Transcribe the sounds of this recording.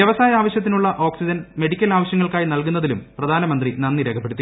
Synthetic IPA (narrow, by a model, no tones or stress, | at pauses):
jɐʋɐsaːjɐaːʋɐɕjɐt̪ːinuɭːɐʔo̞ːksid͡ʑɐnme̞ɽikʲːɐlaːʋɐɕjɐŋːɐɭkaːjinɐlkunːɐðilumprɐd̪ʱaːnɐmɐnd̪rinɐnːiɾeːkʰɐpːeɽt̪ːi